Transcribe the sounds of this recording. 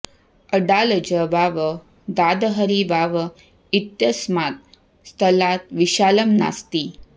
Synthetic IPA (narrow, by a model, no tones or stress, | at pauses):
əɖaləd͡ʑəbaʋə | d̪ad̪əɦəɾibaʋə | it̪jəsmat̪̚ | st̪ʰəlat̪̚ʋiʃaləmna̰st̪iː